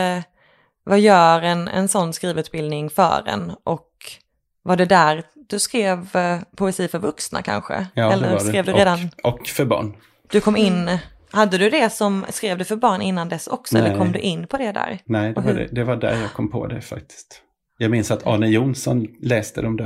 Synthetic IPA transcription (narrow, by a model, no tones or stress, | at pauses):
vajœːɾɛnɛ̰nsɔnːskɾiːvʉ̟ːt̪bɪld̪nɪŋfœ̰ːɾɛ̰nʔɔk | vaɖɛd̪æːɾ | d̪̥ɵskɾeːvpʰʊɛsiːfœɾvɵksna̰kʰa̰nɧə̰ɛləɾɾeːvd̪ɵɾeːd̪anɔkːfœɾbɑ̰ːɳ | d̪̥ɵkʰɔmːɪnː | had̪ːəd̪ɵd̪ɛsɔmskɾeːvd̪ɛfœɾbɑːɳɪnːand̪ɛsɔksɔɛlːəkʰɔmːd̪ɵʔɪnːpʰɔd̪ɛd̪æ̰ːɾnɛdɔɛ̰d̪ɛvaɖæ̰ɾjɑːɡ̚kʰɔmːpʰo̰d̪ɛ̰fa̰k̚t̪ʰɪ̥st̪ | jɑːɡmɪnsat̪ʰɑ̰ːnəjunsɔnlɛːst̪əd̪ɔmd̪æ